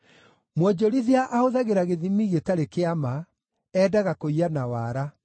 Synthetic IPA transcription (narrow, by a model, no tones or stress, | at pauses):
mwɔd͡ʑɔɾiðjaʔaoðaɣeɾaɣeðimiɣetaɾekeama | ɛːdaɣakoianawaɾa